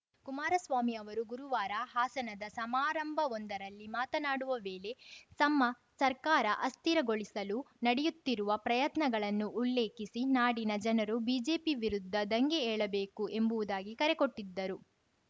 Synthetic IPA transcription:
kumaːɾɐsʋaːmiɐʋɐɾuɡuɾuʋaːɾɐɦaːsɐnɐd̪ɐsɐmaːɾɐmbʱɐɔnd̪ɐɾɐlːimaːt̪ɐnaːɽuʋɐʋe̞ːle̞sɐmːɐ | sɐɾkaːɾɐʔɐst̪iɾɐɡo̞ɭisɐlunɐɽɛjut̪ːiɾuʋɐpɾɐjɐt̪nɐɡɐɭɐnːuːlːe̞ːkisinaːɽinɐd͡ʒɐnɐɾubiːd͡ʒe̞ːpiʋiɾud̪ʱːɐd̪ɐŋɡeɛːɭɐbe̞ːkuʔe̞mbuʋud̪aːɡikɐɾɛko̞ʈːid̪ːɐɾu

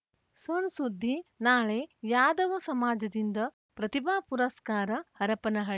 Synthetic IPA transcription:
sonsud̪ʱːinaːɭejaːd̪ɐʋɐsɐmaːd͡ʒɐd̪ind̪ɐ | pɾɐt̪ibaːpuɾɐskaːɾɐhɐɾɐpɐnɐɦɐɭ

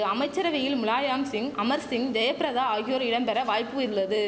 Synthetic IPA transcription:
ɐmɐɪt͡ʃːɐɾɐʋɪjɪlmʊlaːjaːmsɪŋɐmɐɾsɪŋd͡ʒɐjɐpɪɾɐðaːaːɣɪjoːɾɪɽɐmpɛɾɐʋaːjpːɯɪɾɯlːɐðɯ

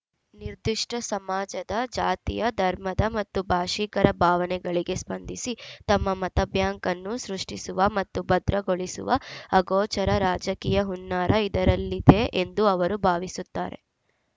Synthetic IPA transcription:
niɾd̪iʂʈɐsɐmaːd͡ʒɐd̪ɐd͡ʒa̰ːt̪ḭjɐd̪ʱɐɾmɐd̪ɐmɐt̪ːubʱaːʂikɐɾɐbʱaːʋɐnɛɡɐɭiɡe̞spɐnd̪ʱisit̪ɐmːɐmɐt̪ɐbʱjaːŋkɐnːusɾuʂʈisuʋɐmɐt̪ːubɐd̪ɾɐɡoɭisṵʋɐɐɡɔːt͡ʃɐɾɐɾaːd͡ʒɐkiːjɐɦunːaːɾʔɐid̪ɐɾɐlːid̪e̞ʔend̪uɐʋɐɾubʱaːʋisut̪ːa̰ːɾe̞̰

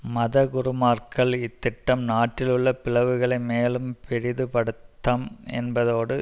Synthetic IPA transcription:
mɐðɐɡʊɾɯmaːrkɐɭɪt̪ːɪʈːɐmnaːʈːɪlɯɭːɐpɪlɐʋɯɣɐɭɐɪmeːlɯmpʰɛɻɪðɯpɐɽɯt̪ːɐmɛ̰nbɐðoːɽɯ

